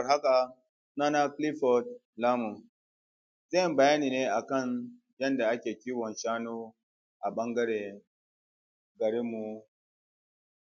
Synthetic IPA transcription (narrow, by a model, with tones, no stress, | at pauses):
ɦa˦ka˨ | na˦na˦kli˦fɔ˨t̚ | laː˦mu˨n | za˦ji˦mbɐ˨ja˦niː˨ne˦ʔa˨kɐ˦˨n | jɐ˦nda˨ʔa˦kʲeː˨kʲiː˦wɔ˨nʃaː˦no˦ | ʔa˨ɓɐ˦ŋɡɐ˦ɾe˨ | ɡɐ˨ɾi˦mːu˨